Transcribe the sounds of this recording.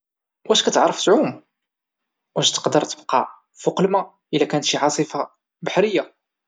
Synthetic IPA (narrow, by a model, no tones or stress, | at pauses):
wʔæʃkæt̪əʕɾˤːəft̪ʕum | wæʃt̪ə̥qd̪əɾˤt̪əb̚qɑ̰ | fʊqlmæ | ʔəlːækænət̪ʃiʕɑsˤifa | baħɾəjːa